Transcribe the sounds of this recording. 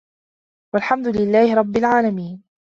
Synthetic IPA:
walħamd̪ʊlɪlːaːhɪɾˤɑbːɪlʕaːlamiːn

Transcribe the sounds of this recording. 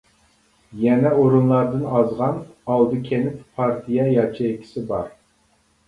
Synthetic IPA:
jɛnɛoɾunlˠɑɾd̪ɨnɑzʁɑnɑlˠd̪ɨkʲʰenɪppʰːɑɾt̪ʰijɛjɑt͡ʃʰiɪkʲʰi̥sɪbɑ̰ɾ

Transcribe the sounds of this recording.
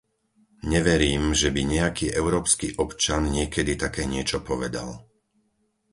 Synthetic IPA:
ɲɛʋɛɾiːmʒɛbiɲɛakiːʔɛʊɾɔːpskiːʔɔpt͡ʃanɲɪɛkɛd̪it̪akɛːɲɪɛt͡ʃɔpɔʋɛd̪a̰l

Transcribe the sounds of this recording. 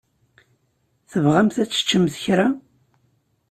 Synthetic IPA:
θəvʁæmθæt͡sːə̥t͡ʃːəmθəçɾa

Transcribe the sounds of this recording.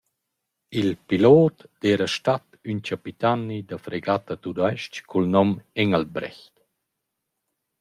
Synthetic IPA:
ilpiloːt̪d̪̥ɛːɾəʃtat̪ | yncapit̪anid̪əfɾeɡat̪ət̪ud̪ajʃckulnɔmɛŋalbɾɛ̰çt̪

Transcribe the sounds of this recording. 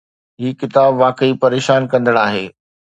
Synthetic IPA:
ɦiːkɪt̪aːbʋaːkəipɐɾeːʃaːnkɐ̃nd̪əɽ̃aːɦeː

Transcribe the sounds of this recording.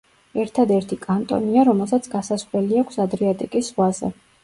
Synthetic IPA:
ɛɾt̪ʰad̪ɛɾt̪ʰikʼant̪ʼɔ̰niaɾɔmɛlˠsat̪sʰɡasasχlɛliakʷʰsad̪ɾiat̪ʼikʼisʁwazɛ̰

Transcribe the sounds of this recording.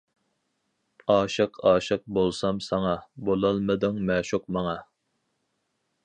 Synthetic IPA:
ɑːʃɨqʰɑːʃɨq̚bolˠsɑmsɑŋɑbolˠɑlˠmɨd̪ɨŋmɛːʃuq̚mɑŋɑ

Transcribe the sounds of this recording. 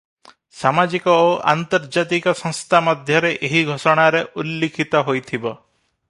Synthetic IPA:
samad͡ʒikɔoʔa̰nt̪ɔɾd͡ʒat̪ikɔsɔ̃ŋst̪ʰamɔd̪ʱjɔɾeʔeɦiɡʱosɔɽ̃aɾeʔulːikʰit̪ɔɦojt̪ʰibɔ

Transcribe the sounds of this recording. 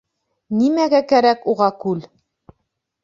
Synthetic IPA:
nimæɡækæɾækuʁɑkʉl

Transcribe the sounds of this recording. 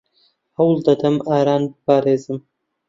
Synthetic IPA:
hɐwlˠd̪ɐt̪ʰɐmaːɾaːnbɨpʰaːɾeːzɨm

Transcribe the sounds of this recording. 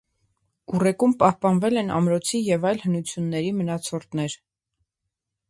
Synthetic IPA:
urɛkumpɑhpɑnvɛlɛnɑ̰mɾɔt͡sʰijɛvɑjlhənut͡sʰjunːɛɾimənɑt͡sʰɔrt̪nɛɾ

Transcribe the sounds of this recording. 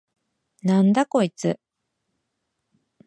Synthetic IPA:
nãnd̪ako̞it͡sɨ

